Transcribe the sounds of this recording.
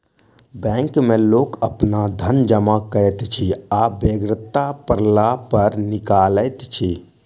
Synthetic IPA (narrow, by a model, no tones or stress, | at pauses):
bɛ̃ŋkmelokəpnad̪ʱənd͡ʒəmakəɾɛt̪t͡ʃʰiabeɡɾət̪ːapəɾlapəɾnikaləjt̪t͡ʃʰi